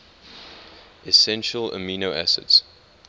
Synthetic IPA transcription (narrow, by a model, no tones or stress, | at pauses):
ʔɛsɛ̃nʃələ̰miːnoæsə̰ts